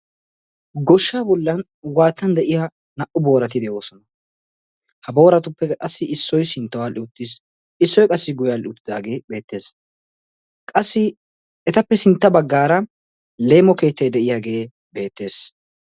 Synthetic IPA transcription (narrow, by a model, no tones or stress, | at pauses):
ɡɔʃːaːbɔlːɐn | waːt̪ːɐnd̪ɛʔɪja | nɐʔʊbo̞ːɾɐt̪ɪd̪ɛjoːsɔnɐ | hɐbo̞ːɾɐt̪ʊpːɛkʼɐsːɪɪsːɔjsɪnt̪ːɐwalɪʊt̪ːɪs | ɪsːɔjkʼɐsːɪɡʊjalɪʊt̪ːɪd̪aːɡe̞ːbe̞ːt̪ːe̞ːs | kʼɐsːɪ | ɛt̪ɐpːɛsɪnt̪ːɐbɐɡːaːɾɐ | le̞ːmɔke̞ːt̪ːɐjd̪ɛʔɪjaːɡe̞ː | be̞ːt̪ːe̞ːs